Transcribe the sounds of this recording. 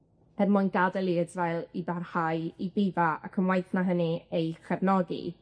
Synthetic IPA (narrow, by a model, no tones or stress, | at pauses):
b̥ɛðmʊnɡadɛlˠidvɛlˠibarhaɨibivaa̰kʰəmwajθnaɦəniejkɛvnɔɡḭ